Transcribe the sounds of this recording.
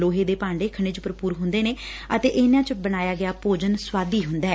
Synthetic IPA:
loːɦeːd̪eːpãːɳɖeːkʰəɽ̃eːt͡ʃʊpːəɾpuːɾɦʊ̃nd̪eːneːət̪eːʔɪnãːt͡ʃbənaːjaːɡɪjaːpoːd͡ʒənswaːd̪iːɦʊnd̪aːɦɛ

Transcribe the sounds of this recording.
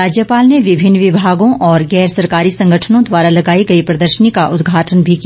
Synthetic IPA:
aːd͡ʒjəpaːlneʋɪbʱɪnːʋɪbʱaːɡõʔɔːɾɡɛːɾsɐɾkaːɾisɐ̃ŋɡʱəʈʰənõd̪waːɾalɐɡaːiɡɐipɾɐd̪əɾʃənikaʔʊd̪ɡʱaːʈʰənbʱiki

